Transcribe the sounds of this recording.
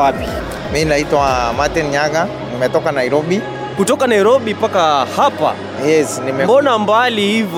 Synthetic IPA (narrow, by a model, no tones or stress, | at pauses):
api | minaitwamatɛnɲaɡa | nimɛtɔkanaiɾɔɓi | kutɔkanaiɾɔɓipakahapa̰ | jɛsnimɛbɔnambalihiv